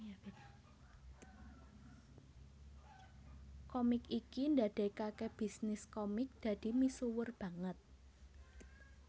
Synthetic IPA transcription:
kɔmɪkikind̪ad̪̥e̤kakeb̥i̤snɪskɔmɪk̚d̪̥ä̤d̪̥i̤misuwʊrb̥ä̤ŋət̪̚

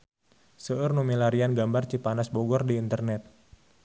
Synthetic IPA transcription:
səərnumilaɾianɡambart͡ʃipanasboɡɔrdiːnt̪ərnɛt̪̚

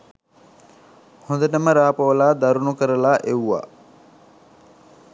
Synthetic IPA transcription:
hõnd̪əʈəməɾaːpəʋəlaːd̪aɾunukəɾəlaːʔewʋa̰ː

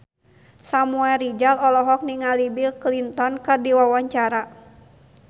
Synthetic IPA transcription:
samuɛlrid͡ʒalɔlɔɦɔk̚niŋalibilklint̪ɔnkɨrdiwawaɲt͡ʃaɾa

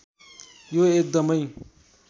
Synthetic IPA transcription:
joek̚d̪ʌmʌj

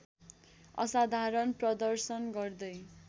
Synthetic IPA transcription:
ʌ̰sad̪ʱaɾʌnprʌd̪ʌrsʌnɡʌrd̪ʌj

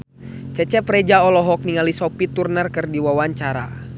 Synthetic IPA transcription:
t͡ʃɛt͡ʃɛpɾɛd͡ʒaɔlɔɦɔk̚niŋalisɔpit̪urnərkɨrdiwawaɲt͡ʃaɾa

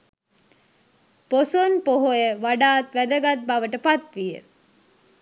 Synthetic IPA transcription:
posonpoɦojəʋaɖaːt̪ʋæd̪əɡat̪̚baʋəʈəpat̪ʋijə̰

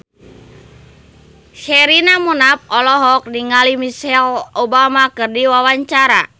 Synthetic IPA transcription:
ʃɛɾinamunap̚ɔlɔɦɔk̚diŋalimisɛlɔbamakɨrdiwawaɲt͡ʃaɾa̰

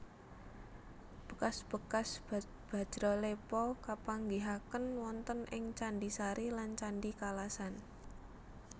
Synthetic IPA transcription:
b̥ə̤kasb̥ə̤kasb | b̥a̤̥d͡ʒ̥ɾɔlepɔkapaŋɡiɦakənwɔnt̪ənʔɪŋt͡ʃaɳɖisaɾilant͡ʃaɳɖikalasan

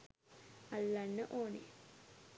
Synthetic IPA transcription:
alːanːəʔoːnḛ

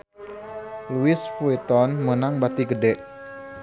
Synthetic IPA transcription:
luɪsfuit̪ɔnmənaŋbat̪iɡədɛʔ

